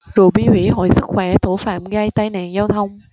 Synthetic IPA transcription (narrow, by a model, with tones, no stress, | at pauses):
zo̰˨˩ɓi˧hwḭ˧˩ɦɔ̰˧˨jsɨ˦˥k̚xwɛ˧˩t̪ʰo˧˩fa̰ː˧˨mɣaː˧jt̪aː˧jna̰ː˧˨nzaː˧wt̪ʰə˧wŋ͡m